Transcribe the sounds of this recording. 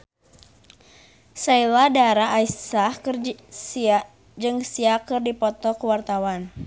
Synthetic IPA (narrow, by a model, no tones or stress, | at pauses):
sailadaɾaːisahkrs | d͡ʒɨŋsiakɨrdipɔt̪ɔkuwart̪awan